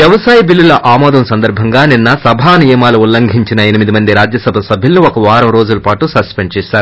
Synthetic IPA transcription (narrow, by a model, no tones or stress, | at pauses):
ʋjɐʋɐsaːjɐbilːulɐʔaːmɔːd̪ɐmsɐnd̪ɐɾbʱɐŋɡaːninːɐsɐbʱaːnijɐmaːluulːɐŋɡʱiɲt͡ʃinɐenimid̪imɐnd̪iɾaːd͡ʒjɐsɐbʱɐsɐbʱilɐnuɔkɐʋaːɾɐmɾoːd͡ʒulɐpaːʈusɐspeɳɖt͡ʃɛːʃaːɾu